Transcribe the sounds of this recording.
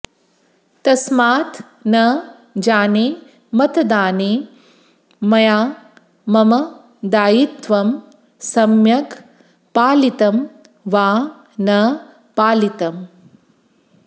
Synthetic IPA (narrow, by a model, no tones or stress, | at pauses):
t̪ɐsmaːt̪ | nɐ | d͡ʒaːneː | mɐt̪ɐd̪aːneː | mɐjaː | mɐmɐ | d̪aːjit̪ʋɐm | sɐmjɐk | paːlit̪ɐm | ʋaː | nɐ | paːlit̪ɐm